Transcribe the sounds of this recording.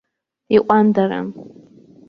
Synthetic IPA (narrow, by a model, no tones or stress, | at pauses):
iʔʷʼandaɾa̰n